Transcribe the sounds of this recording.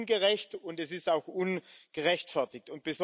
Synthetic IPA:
nɡəʁɛçtʊntɛsɪstaʊxunɡ̥əʁɛçtfɛɐtɪk̚tʊnt̚b̥əz

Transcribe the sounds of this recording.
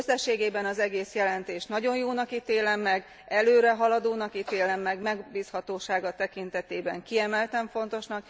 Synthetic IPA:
øsɛʃːeːɡeːbɛnɒzɛɡeːsjɛlɛnt̪eːʃnɒɟo̞njoːnɒkit̪eːlɛmːɛɡ | ɛløːɾɛɦɒlɒd̪oːnɒkit̪eːlɛmːɛɡmɛɡbiːshɒt̪oːʃaːɡɒt̪ɛkint̪ɛt̪eːbɛ̰ŋkiɛmɛlt̪ɛɱfo̞n̪t̪o̞ʃnɒk

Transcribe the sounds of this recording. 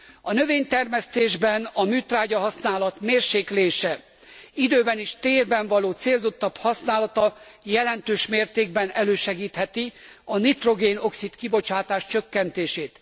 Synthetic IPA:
ɒnøveːɲt̪ɛrmɛst̪eːʒbɛnɒmyːt̪raːɟɒɦɒsnaːlɒt̪meːrʃeːkleːʃɛ | id̪øːbɛniʃt̪eːrbɛɱvɒloːt̪seːlzo̞t̪ːɒphɒsnaːlɒt̪ɒjɛlɛnt̪øːʃmeːrt̪eːɡ̚bɛnɛløːʃɛɡiːt̪hɛt̪iɒnit̪ro̞ɡeːno̞ksit̪kibo̞t͡ʃaːt̪aːʃt͡ʃøkːɛnt̪eːʃeːt̪

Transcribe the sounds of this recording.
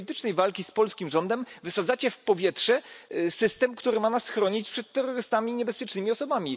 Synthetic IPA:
it̪ɘt͡ʂnɛjvalkʲispɔlskʲimʐɔnd̪ɛmvɘsad̪zat͡ɕɛfpɔvʲjɛtʂɛsɘst̪ɛmkt̪uɾɘmanasxɾɔɲit͡ɕpʂɛt̪ːɛrːɔɾɘst̪amʲiɲɛbɛspʲjɛt͡ʂnɘmʲiɔsɔbamʲi

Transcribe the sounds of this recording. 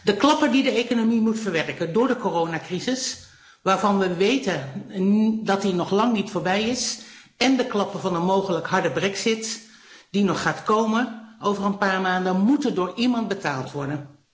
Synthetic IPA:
dəklɑpədidəejkonomimutfəɹʋɛrkəndʊːɹdəkoːrownaːkrizɪs | ʋaːɹvɑnʋəʋejtən | dɑtdinɔχlɑŋnitfoːɹbɛjɪs | ɛndəklɑpəvɑnənmowχələkɦɑɹdəbrɛksɪt | d̥inɔχːaːtkowmənʔowvərənpaːɹmaːndənmutədʊːɹimɑnt̚bətaːlˠtʋɔɹdən

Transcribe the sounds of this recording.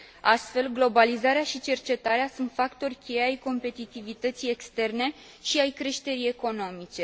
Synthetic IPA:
ast̪fe̞lɡlo̞balizaɾeaʃit͡ʃe̞rt͡ʃe̞t̪aɾeasunt̪fakt̪o̞rʲkʲe̞jeajko̞mpe̞t̪it̪ivit̪ət̪sije̞kst̪e̞rne̞ | ʃiajkɾe̞ʃt̪e̞ɾie̞ko̞no̞mit͡ʃe̞

